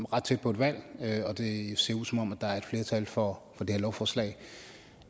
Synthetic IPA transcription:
ʁɑ̈d̥t͡sʰe̝d̥̚pʰɒ̽ed̥ʋæl̰øɒ̽d̥e̝se̝ɐ̰uðsɒ̽mɒ̽mæd̥ɑ̈æɐe̝d̥fle̝ːɐt͡sʰælfɒ̽fɒd̥e̝heɐlɒʊfɒːslɛ̰ɪ

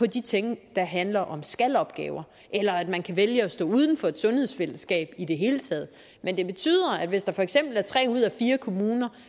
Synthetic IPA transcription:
pʰɒ̽d̥it͡sʰeŋ̰d̥ɑ̈ɦænlɐʔɒ̽msɡ̥ælɒ̽b̥ɡ̥ɛ̰ːʊɐ | ʔelɐæd̥mænkʰæʋeljəɒsd̥ɔ̰̽ːuð̞ˠn̩fɒ̽e̝d̥sɔ̽nhe̝ð̞̰ˠsfel̰əsɡ̥ɛ̰ːb̥id̥e̝ɦe̝ːlət͡sʰɛ̰ːð̞ˠ | mend̥e̝b̥e̝t͡sʰy̰ːð̰ˠɐæd̥ʋe̝sd̥ɑ̈fɒ̽eɡ̥sem̰b̥l̩æɐt͡sʰʁɛ̰ːuð̞̰ˠæfiːɐkʰo̝muːnɐ

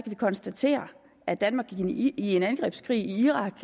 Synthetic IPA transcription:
kʰæʋikʰɒ̽nsd̥æt͡sʰe̝̰ːɐ | æd̥ænmɑ̈ɡ̥ie̝nænɡ̥ʁɛ̰ːb̥skʰʁḭːiiʁɑ̈ɡ̥

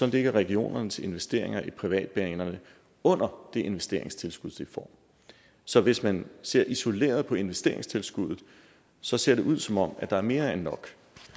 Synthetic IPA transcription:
sɒ̽le̝ɡ̥ɐʁɛɡ̥io̝̰ːnɐnəsʰe̝nʋesd̥e̝ɐ̰e̝ŋɐʔipʰʁiʋɛ̰ːd̥̚b̥eɛnɐnə | ɔ̽n̰ɐd̥e̝ʔe̝nʋesd̥e̝ːɐe̝ŋst͡sʰe̝lsɡ̥uð̞̰ˠd̥ifɒ̰ːm | sɒ̽ʋe̝smænse̝ɐ̰ʔiso̝le̝̰ːɐð̞ˠpʰɒ̽e̝nʋesd̥e̝ɐe̝ŋst͡sʰe̝lsɡ̥uðˠð̩ˠ | sɒ̽se̝ɐ̰ɾ̥e̝ʔuð̞̰ˠsɒ̽mɒ̽m̰æd̥ɑ̈æɐme̝ːɐenːɒ̽ɡ̥

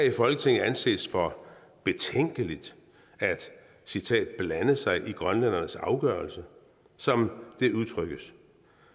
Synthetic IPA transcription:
hæifɒ̽lɡ̥ət͡sʰe̝ŋ̰n̩ænse̝̰ːsfɒ̽ | b̥e̝t͡sʰeŋ̰ɡ̥əlid̥ | æd̥ | sit͡sʰɛ̰ːd̥̚b̥lænəsɑ̈ɪʔiɡ̥ʁɶnlæn̰ɐnəsɑ̈ʊɡ̥ɶɐlsə | sɒ̽md̥e̝uð̞ˠt͡sʰʁœɡ̥əs

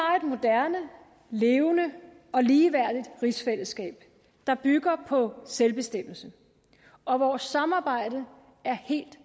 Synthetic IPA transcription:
ɑ̈e̝d̥mo̝d̥æɐnə | le̝ːʊnə | ɒ̽liːʋæɐ̰d̥id̥ʁisfel̰əsɡ̥ɛ̰ːb̥ | d̥ɑ̈b̥yɡ̥ɐpʰɒ̽selb̥e̝sd̥em̰l̩sə | ɒ̽ʋɒːsːɑ̈mɑ̈ːb̥ɑ̈ɪ̰d̥ə | æɐhe̝̰ːld̥

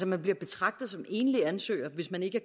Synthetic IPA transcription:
sɒmænb̥liɐb̥e̝t͡sʰʁɑ̈ɡ̥̚d̥ð̩ˠsɒ̽me̝̰ːnəliænsø̰ːɪɐʋe̝smæne̝ɡ̥əæɐ

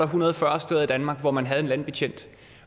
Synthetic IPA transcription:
ɐɦunɐð̞̩ˠfɶɐsd̥eðˠid̥ænmɑ̈ːɡ̥ʋɒmænɦæð̞̩ˠe̝nlæn̰b̥e̝t͡ɕʰen̰d̥

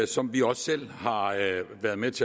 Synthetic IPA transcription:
sɒ̽mʋiɒ̽sːel̰hɑ̈ʋæɐð̞ˠmet͡sʰe̝

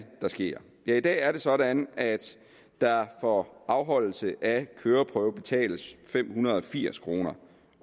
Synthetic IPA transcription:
d̥ɑ̈sɡ̥e̝̰ɐ̰ | jæid̥ɛ̰ːæɐɾe̝sɒ̽ɾænʔæd̥ː | ɑ̈fɒʔɑ̈ʊɦɒ̽l̰l̩səʔækʰøːɐpʰʁœːʊb̥e̝t͡sʰɛ̰ːləsfem̰hunɐð̞̩ˠɒ̽fiɐ̰skʰʁo̝ːnɐ

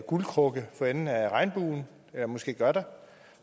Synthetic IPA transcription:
ɡ̥ulkʰʁɔ̽ɡ̥əfɒ̽enn̩æʁɑ̈ɪnb̥ṵːn | elɐmɔ̽sɡ̥e̝̰ːɡ̥ɶɐd̥ɑ

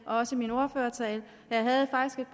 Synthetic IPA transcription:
ʔɒɒ̽səmino̝ɐføːɐt͡sʰɛːl | jɑ̈ɪɦæð̞̩ˠfɑ̈ɡ̥isɡ̥e̝d̥̚b̥

